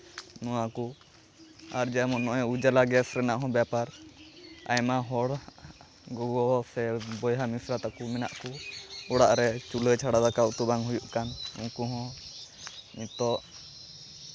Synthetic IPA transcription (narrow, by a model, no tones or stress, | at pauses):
nɔwaku | aɾd͡ʒamɔnɔʔɛud͡ʒalaɡɛsɾɛnaʔɦɔ̃bjapaɾ | a̰jmaɦɔɽ | ɡɔwɔsɛbɔjɦamisɾat̪akumɛna̰ʔkuɔɽaʔɾɛt͡ʃulət͡ʃʰaɽad̪akawt̪ubaŋɦujuʔkanṵŋkuɦɔ̃ | mit̪ɔʔ